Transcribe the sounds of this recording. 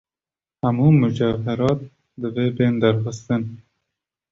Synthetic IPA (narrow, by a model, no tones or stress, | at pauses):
hamuːmʊd͡ʒaɦaɾɑːt̪̚ | d̪ɨvebend̪aɾxɨst̪ɨn